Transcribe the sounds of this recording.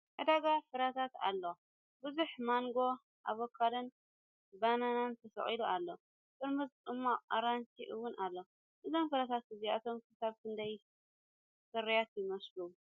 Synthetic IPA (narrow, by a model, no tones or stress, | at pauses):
ʔɨd̪aɡafɨɾat̪ʰat̪a̰lːo | bɨzuħmaŋɡo̞ | ʔa̰βokʰːalɐn | bananant̪ʰɐsɐ̰χʼiluʔalːo | k̪ʼɨɾmɨzd̪ɨmːaaɾant͡ʃiʔɨwʊnalːo | ʔɨzo̞mfɨɾat̪ʰat̪̚ɨziat̪ʰo̞mkʰɨsaβkʰɨnd̪aj | sɨɾijat̪jɪmɐslu